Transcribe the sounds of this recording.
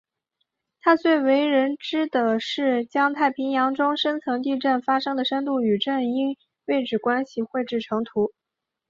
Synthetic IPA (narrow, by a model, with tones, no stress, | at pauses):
t̪ʰa˥t͡swe˥˩ɪwe˧˥ɪɻə˧˥nʈ͡ʂɻ̩˥d̪ə˨ʂɻ̩˥˩t͡ɕjɑ˥ŋt̪ʰa˥˩ɪpʰi˧˥ŋjɑ˧˥ŋʈ͡ʂʊ˥ŋʂə˥nt͡sʰɤ˧˥ŋt̪i˥˧ʈ͡ʂə˥˩nfa˥ʂɤ˥ŋd̪ə˨ʂə˥nt̪u˥˩y˨˩ʈ͡ʂə˥˩ni˥ŋ | we˥˩ɪʈ͡ʂɻ̩˨˩kwa˥nɕi˨xwe˥˧ɪʈ͡ʂɻ̩˥˩ʈ͡ʂʰɤ˧˥ŋt̪ʰu˧˥